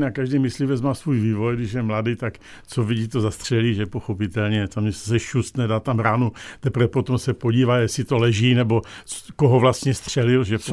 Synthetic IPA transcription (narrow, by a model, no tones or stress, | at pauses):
nakaʒdɛjmɪslivɛt͡smaːsvuːjviːvo̞jɡdɪʃjɛmladit̪ak | t͡soviɟiːt̪ozast̪r̝̥ɛliːʒɛpoxopɪt̪ɛlɲɛt̪amɲɛssɛʃust̪nɛdat̪amɾaːnut̪ɛpɾvɛpot̪omsɛpoɟiːvajɛsɪt̪olɛʒiːnɛbo̞koɦovlast̪ɲɛst̪r̥ɛlɪlʒɛ